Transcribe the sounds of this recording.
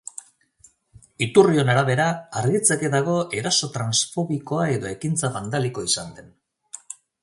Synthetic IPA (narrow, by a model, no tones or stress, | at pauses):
it̪urio̞naɾaβ̞e̞ɾaaɾɣit͡seke̞ðaɣ̞o̞e̞ɾaso̞t̪ɾansfo̞βiko̞ae̞ðo̞e̞kint͡saβand̪aliko̞isand̪e̞n